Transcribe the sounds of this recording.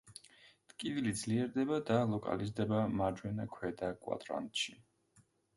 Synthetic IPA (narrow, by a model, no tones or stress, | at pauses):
t̪ʼkʼivilid̪zliɛɾd̪ɛbad̪alˠɔkʼa̰lizd̪ɛbamad͡ʒwɛnakʰwɛd̪akʼwa̰d̪ʼɾa̰nt̪ʼʃi